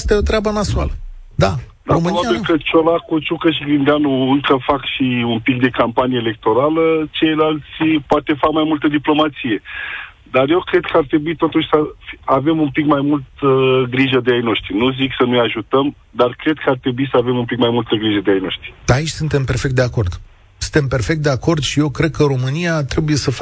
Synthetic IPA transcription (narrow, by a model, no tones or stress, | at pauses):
st̪eo̞t̪ɾeabəmasua̰lə | d̪a | d̪aɾomɨnaiaekət͡ʃolakut͡ʃukəʃ̬iɡind̪eanuɨŋkəfakʃiunpik̚d̪e̞kampanijeːle̞k̚t̪o̞ɾalət͡ʃe̞jlalt̪sʲipoat̪e̞fakmajmult̪əd̪iplo̞mat̪sije̞ | d̪arje̞wkɾe̞d̪kʰəart̪ɾe̞buit̪o̞t̪uʃʲsəfiave̞mumpikmajmult̪əɡɾiʒəd̪eajno̞ʃt̪ɾinuziksənujaʒut̪əm | d̪arkɾe̞d̪̚kəart̪ɾe̞buisəave̞mumpikmajmult̪əɡɾiʒəd̪eajno̞ʃt̪ɾi̥ait͡ʃʲsunt̪e̞mpe̞rfek̚t̪d̪eako̞rd̪̥ | sɨnt̪e̞mpe̞rfekt̪̚d̪e̞ako̞rd̪ʃije̞wkɾe̞d̪̚kəɾo̞mɨniat̪ɾe̞buje̞səf